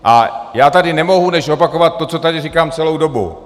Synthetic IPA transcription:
ʔa̰jaːt̪adɪnɛmo̞ɦunɛʃo̞pako̞vat̪̚ːo̞t͡so̞t̪adɪrikaːmt͡sɛlo̞wdo̞bṵ

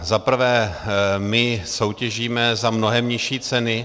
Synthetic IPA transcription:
zapr̩vɛːmɪso̞wcɛʒiːmɛzamno̞ɦɛmɲɪʃiːt͡sɛnɪ

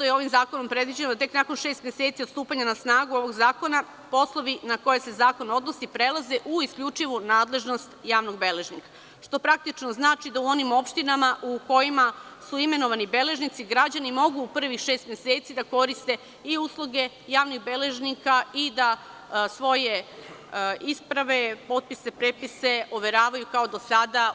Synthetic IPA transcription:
t̪ojeo̞ʋimzaːkono̞mpɾe̞d̪ʋid͡ʑenod̪t̪e̞knako̞nʃeːst̪mje̞set̪siot̪st̪uːpaɲanasnaːɡuo̞ʋo̞ɡzaːko̞na | po̞slˠo̞ʋinako̞je̞se̞zaːko̞no̞d̪nosipɾe̞lˠazeʔuiskʎʲut͡ʂiʋunaːd̪le̞ʒno̞st̪jaːʋno̞ɡbe̞le̞ʒnika | ʃt̪o̞pɾak̚t̪it͡ʃnoznaːt͡ʃid̪auo̞nimo̞pʃt̪inamaʔuko̞jima | suime̞no̞ʋanibe̞le̞ʒnit̪siɡɾad͡ʑanimo̞ɡuːpr̩ʋixʃeːst̪mjeseːt̪sid̪ako̞ɾist̪e̞ | iuslˠuɡe̞jaːʋnixbe̞le̞ʒnikaid̪a | sʋo̞je̞ | ispɾaʋe̞po̞t̪̚pise̞pɾepise̞ʔoʋe̞ɾaːʋajukao̞d̪o̞sad̪a

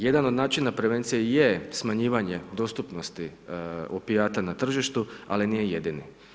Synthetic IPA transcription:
je̞d̪anod̪naːt͡ʃinapɾeʋe̞nt̪sijejesmaɲiːʋaɲe̞d̪o̞st̪upno̞st̪iopiaːt̪anat̪r̩ʒiʃt̪ualinijeje̞d̪ini

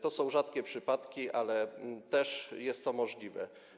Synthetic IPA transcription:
t̪ɔsɔ̃w̃ʐat̪kʲɛpʂɘpat̪kʲiʔalɛt̪ɛʂjɛst̪ːɔmɔʐlʲivɛ̰

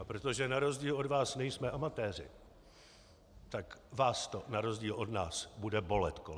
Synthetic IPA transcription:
apɾo̞t̪o̞ʒɛnaɾo̞zɟiːlʔo̞dvaːsnɛjsmɛʔamat̪ɛːr̝ɪ̰ | t̪akvaːst̪o̞naɾo̞zɟiːlʔo̞dnaːsbudɛbo̞lɛt̪ko

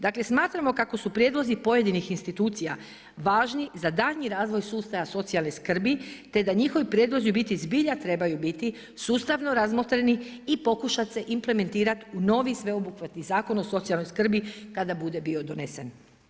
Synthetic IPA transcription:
d̪akle̞smaːt̪ɾamo̞kako̞supɾjed̪lo̞zipo̞je̞d̪inixinst̪it̪uːt̪sija | ʋaːʒnizad̪aʎɲiɾaːzʋo̞jsuːst̪ajaso̞t̪sialˠneskr̩bit̪e̞d̪aɲixo̞ʋipɾjeːd̪lˠo̞zjubit̪izbiʎat̪ɾe̞bajubit̪i | suːst̪aʋno̞ɾazmot̪ɾeniipo̞kuʃat̪se̞ʔimple̞me̞nt̪iːɾat̪uno̞ːʋisʋe̞obuxʋat̪nizaːko̞no̞so̞t̪sialnojskr̩bikad̪abud̪e̞bio̞d̪o̞ne̞sen

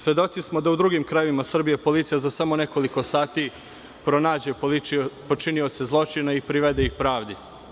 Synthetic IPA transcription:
sʋe̞d̪o̞t̪sismo̞d̪aud̪ɾuːɡimkɾajeʋimasr̩bijepo̞lit̪sijazasamo̞ne̞ko̞liko̞saːt̪i | pɾo̞naːd͡ʑe̞po̞t͡ʃinio̞t̪se̞zlˠo̞t͡ʃinaipɾiʋed̪eixpɾaːʋd̪i

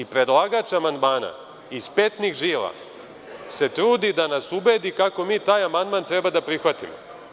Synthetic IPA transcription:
ipɾe̞d̪lˠaɡat͡ʃamand̪maːna̰ | ispe̞t̪nixʒiːla̰ | se̞t̪ɾuːd̪id̪anasube̞ːd̪ikako̞miːt̪aːjamand̪mant̪ɾebad̪apɾixʋat̪ḭmo̰

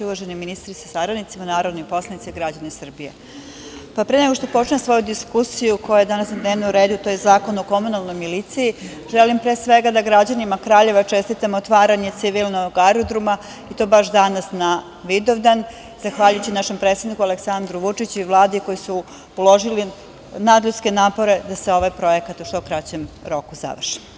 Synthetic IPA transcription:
uʋaʒeniminist̪ɾisḁsaɡɾanit̪simanaːɾo̞d̪nopo̞slˠanit̪siɡɾad͡ʑanesr̩bije | papɾeneɡo̞ʃt̪o̞po̞t͡ʃɲesʋo̞jud̪iskusijukojajed̪anasnad̪neʋnuuɾeːd̪ut̪o̞jezaːko̞noko̞munalˠno̞jmilit̪siji | ʒelimpɾeːsʋe̞ɡad̪aɡɾad͡ʑanimakɾaːʎe̞ʋat͡ʂest̪it̪amot̪ʋaːɾaɲe̞t̪siʋilˠnoɡaɾod̪ɾuma | it̪o̞baʃd̪anasna | ʋid̪oʋd̪an | z̥axʋaːʎujut͡ɕinaʃe̞mpɾet̪ed̪nikualeksand̪ɾuʋut͡ʂit͡ɕuiʋlˠaːd̪iko̞jisu | ulˠo̞ʒili | nad̪lʎut̪ske̞naːpo̞ɾe̞d̪aseo̞ʋajpɾo̞je̞kat̪uʃt̪okɾat͡ɕemɾo̞kuza̰ʋr̩ʃi̥

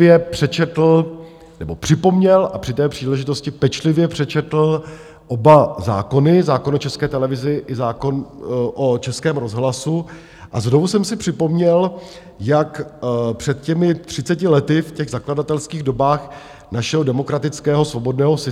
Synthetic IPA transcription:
jɛpr̥ɛt͡ʃɛt̪l̩ | nɛbo̞pr̥ɪpo̞mɲɛlʔapr̥ɪt̪ɛːpr̥iːlɛʒɪt̪oscɪpɛt͡ʃlɪvjɛpr̝̥ɛt͡ʃɛt̪l̩ | ʔo̞baza̰ːko̞nɪzaːkonot͡ʃɛskɛːt̪ɛlɛvɪzɪʔɪzaːkoʔot͡ʃɛskɛːmɾo̞zɦlasu | ʔa̰znovusɛmsɪpr̥ɪpo̞mɲɛl | jakpr̥ɛt̪̚cɛmɪt̪r̥ɪt͡sɛcɪlɛt̪ɪfcɛɣzakladat̪ɛlskiːɣdo̞baːx | naʃɛɦodɛmo̞kɾat̪ɪt͡skɛːɦo̞svo̞bo̞dnɛːɦosɪ

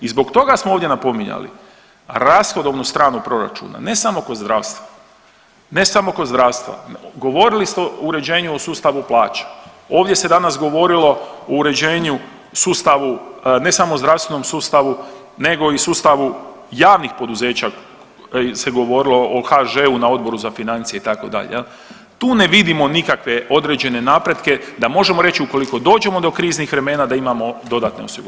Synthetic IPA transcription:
izbo̞ɡt̪o̞ɡasmooʋd̪je̞napo̞miɲa̰lḭ | ɾasxod̪o̞ʋnust̪ɾaːnupɾo̞ɾa̰t͡ʃṵːna̰ne̞samo̞ko̞d̪zd̪ɾaːʋst̪ʋa | ne̞samo̞kod̪zd̪ɾast̪ʋa̰ɡo̞ʋo̞ɾilist̪eouɾe̞d͡ʑe̞ːɲuosuːst̪aʋuplˠaːt͡ʃḁ | o̞ːʋd̪ʲje̞se̞d̪anasɡo̞ʋo̞ɾilo̞ouɾe̞d͡ʑeːɲu | suːst̪aʋune̞samozd̪ɾaʋst̪ʋe̞nomsuːst̪aʋu | ne̞ɡo̞isuːst̪aʋu | jaːʋnixpo̞d̪uze̞ːt͡ɕa | se̞ɡo̞ʋo̞ɾilˠo̞ʔoxaʒeːunao̞d̪̚bo̞ɾuzafinant̪sije̞it̪ako̞̰d̪a̰ʎḛjel | t̪uːne̞ʋid̪imo̞nikakʋe̞o̞d̪ɾed͡ʑe̞ne̞naːpɾe̞d̪ke̞d̪amo̞ʒe̞mo̞ɾe̞t͡ʃiuko̞liko̞d̪o̞ːd͡ʒe̞mo̞d̪o̞kɾiːznixʋɾe̞me̞ːnad̪aimamo̞d̪o̞d̪at̪ne̞osiɡu

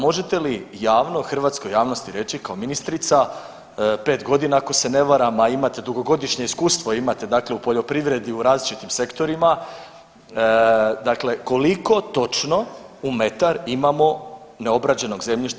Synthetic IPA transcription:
moʒe̞t̪e̞lijaːʋno̞xr̩ʋaːt̪sko̞jaːʋno̞st̪iɾe̞t͡ɕikao̞minist̪ɾit̪sa | pe̞ːt̪ɡo̞d̪inaako̞se̞ne̞ʋaɾamaimat̪ed̪uɡo̞ɡo̞d̪iʃɲe̞iskuːst̪ʋoimat̪e̞d̪aːkleupo̞ʎo̞pɾiʋɾe̞d̪iuɾaːzlit͡ʃit̪imse̞kt̪o̞ɾima | d̪akle̞ko̞liko̞t̪o̞t͡ʃno̞ume̞t̪aɾimamo̞ | ne̞o̞bɾad͡ʑe̞no̞ɡze̞mʎiʃ

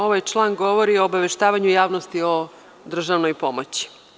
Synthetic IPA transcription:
o̞ʋajt͡ʂlˠaːŋɡo̞ʋoɾioːbaʋe̞ʃt̪aːʋaɲujaːʋnost̪io̞ | d̪r̩ʒaʋno̞jpo̞mot͡ɕi̥

